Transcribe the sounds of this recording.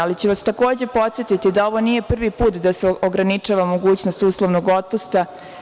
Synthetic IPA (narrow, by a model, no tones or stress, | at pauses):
alit͡ɕeʋast̪ako̞ːd͡ʑe̞po̞t̪sʲjet̪it̪id̪ao̞ʋo̞niːje̞pr̩ʋipuːt̪d̪aseoɡɾanit͡ʃaːʋamo̞ɡuːt͡ɕnost̪uːslˠo̞ʋno̞ɡo̞t̪̚pust̪a